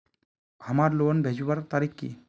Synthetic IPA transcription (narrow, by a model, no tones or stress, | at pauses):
amaɾlonbʱed͡ʒubaɾt̪aɾikːḭ